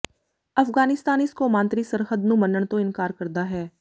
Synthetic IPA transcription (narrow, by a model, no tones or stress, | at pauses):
ɐfɡaːnɪst̪aːnɪskomãːnt̪ɾisɐɾxəd̪nũmənəɳ̃t̪oɪnkaːɾkɐɾd̪aɦɛː